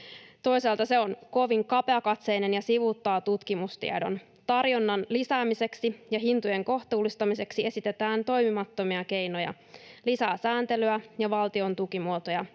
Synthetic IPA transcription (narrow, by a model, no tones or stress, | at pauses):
t̪o̞jsɑlt̪ɑse̞onko̞ʋiŋkɑpe̞ɑkɑt̪se̞jne̞njɑsiʋut̪ːɑːt̪ut̪kimust̪ḭedo̞̰n | t̪ɑrjo̞nːɑnlisæːmise̞ksijɑɦint̪uje̞ŋko̞ht̪uːlːist̪ɑmise̞ksie̞sit̪e̞t̪æːnt̪o̞jmimɑt̪ːo̞miɑke̞jno̞jɑ̰ | lisæːsæːnt̪e̞lyæjɑʋɑlt̪io̞nt̪ukimuot̪ojɑ